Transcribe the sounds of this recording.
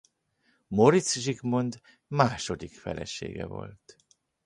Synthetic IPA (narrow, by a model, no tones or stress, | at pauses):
mo̞ɾit̪sʒiɡmo̞nd̪ | maːʃo̞d̪ikfɛlɛʃḛːɡɛvo̞̰lt̪